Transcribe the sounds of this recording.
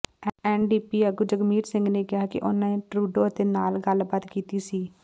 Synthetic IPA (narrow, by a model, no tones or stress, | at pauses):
ɛːnɖiːpiːəɡud͡ʒəɡmiːɾsɪ̃ŋɡneːkɪɦaːkḭʔʊnãːẽːʈɾuːɖoːət̪eːnaːlɡəlbaːt̪kiːt̪iːsiː